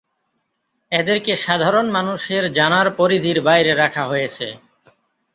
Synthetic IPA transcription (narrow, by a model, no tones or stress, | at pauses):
ed̪eɾkeʃad̪ʱaɾonmanuʃeɾd͡ʑanaɾpoɾid̪ʱiɾbajɾeɾakʰaɦojet͡ɕʰḛ